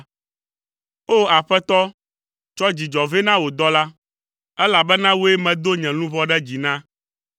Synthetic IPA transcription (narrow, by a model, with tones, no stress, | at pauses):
o˦a˨ɸɛ˦t̪ɔ˦ | t͡ʃɔ˦d͡ʑi˨d͡ʒɔ˨ve˦nã˦wo˨d̪ɔ˦la˦ | ɛ˦la˨bɛ˦nã˦wo˦e˦mɛ̃˨d̪o˦ɲɛ̃˨nũ˦vɔ˦ɖɛ˦d͡ʑi˨nã˦